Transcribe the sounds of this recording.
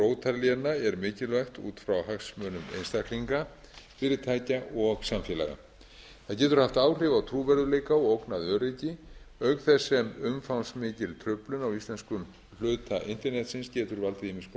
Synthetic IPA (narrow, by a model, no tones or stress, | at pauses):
ɾoːwt̪ʰaɾljɛnaɛɾmɪːcɪlvœxt̪ṵːt̪fɾawɦaksmœːnʏmḛjnst̪ahkliŋka | fɪːɾɪ̥t̪ʰaːjcaʔɔɣsamfjɛːla̰ɣa̰ | θaðcɛːt̪ʏɾ̥haft̪aːwr̥ɪvawt̪ʰɾuːvɛɾðʏleːjkaɔowknaðœːɾecɪœɥkθɛsːɛmʏmfawnsmɪːcɪlt̪ʰɾʏplʏnawist̪lɛnskʏm | l̥ʏːt̪aʔɪnt̪ɛɾnɛt̪sɪnscɛːt̪ʏɾvalt̪ɪðiːmɪsp